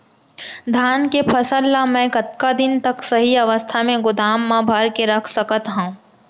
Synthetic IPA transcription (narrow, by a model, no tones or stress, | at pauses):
d̪ʱaːnkepʰɐsəlːamɛ̃ːkɐt̪kad̪ɪnt̪ɐksɐɦiɐʋəst̪ʰamẽɡʊd̪ʱaːmːabʱəɾkeɾɐkʰsəkət̪ɦãː